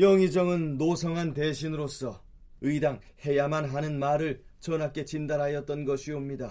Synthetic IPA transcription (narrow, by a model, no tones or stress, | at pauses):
jʌŋid͡ʑʌŋɯnːosʰʌŋɦante̞ɕʰinɯɾos͈ʌ | ɯidaŋhe̞jamanɦanɯnmaɾɯɭt͡ɕʌnɦak͈e̞t͡ɕindaɾɦajʌt̚t͈ʌnɡʌɕʰiomɲida